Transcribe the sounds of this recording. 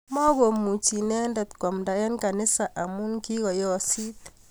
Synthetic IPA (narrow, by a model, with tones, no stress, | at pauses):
mɔ˦ɣo˨mu˨t͡ʃi˨nɛ˦ndɛ˨t̪kwa˨m̩˨da˨jɛ˦nka˨ni˦sa˨ʔa˨mu˦ŋki˦ɣɔ˨jɔ˦si˦t̪